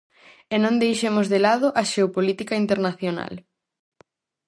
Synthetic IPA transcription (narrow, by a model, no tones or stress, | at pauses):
enõnd̪ejʃemʊzðelaðʊʔɐʃeopolit̪ikaint̪eɾnaθjona̰l